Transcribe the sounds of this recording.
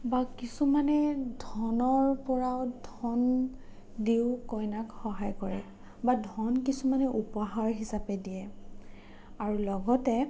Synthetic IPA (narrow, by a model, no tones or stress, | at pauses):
bakisumanɛdʱɔnɔɹpɔɹaʊdʱɔn | diʊkɔjnakxɔɦajkɔɹɛ̰ | badʱɔnkisumanɛʔupɔɦaɹɦisapɛdijɛ | aɹulɔɡɔtɛ